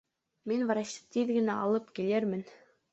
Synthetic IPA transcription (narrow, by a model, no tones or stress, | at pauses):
minvɑɾɑɕɤ̥t̪iðɡɘ̆næɑlˠɤpkilɘɾmɘ̆n